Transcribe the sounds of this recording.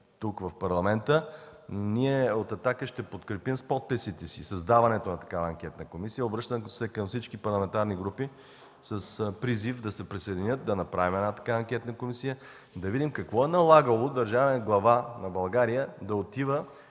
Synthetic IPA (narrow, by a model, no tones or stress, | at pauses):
t̪ukvɐfpɐɾlˠɐmɛnt̪ə | niɛot̪ɐt̪akəʃt̪ɛpot̪kɾɛpimspɔt̪̚pɛsit̪ɛsḭsɐzd̪avɐnɛt̪onɐt̪ɐ̥kavɐɐŋkʲɛt̪nəkomisijəobɾɤʃt̪əmsɛkɐmfsit͡ʃkipɐɾlˠɐmɛnt̪aɾniɡɾupi | səspɾizifd̪ɐsɛpɾisɐjd̪ʲinʲət̪̚d̪ɐnɐpɾavimɛnat̪ɐ̥kaɐŋkʲɛt̪nəkomisijə | d̪ɐvid̪imkɐkvɔɛnɐlˠaɡəlˠod̪ɐɾʒavɛɡlˠɐvanɐbɐlˠɡaɾijəd̪ɐot̪ivə